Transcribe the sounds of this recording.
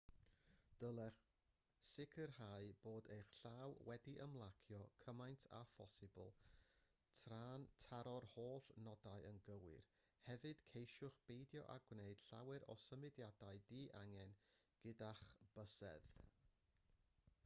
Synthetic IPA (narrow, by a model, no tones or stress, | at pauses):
d̥əlˠɛr | sɪkʰərhaɨb̥oːdejχɬawwɛdiʔəmlˠakʰjɔkʰəmajntʰa̰fɔsɪbʊlˠ | tʰraːntʰaɾɔrhoːɬnɔdaɨənɡəwɪ̰r | hɛvɨd̥kʰejʃʊχb̥ejdjɔ̰ʔa̰ɡwneɨd̥ɬa̰wɛɾɔ̰səmɨdjadaɨdiːʔaŋɛnɡ̥ɪdaχb̥əsɛ̰ð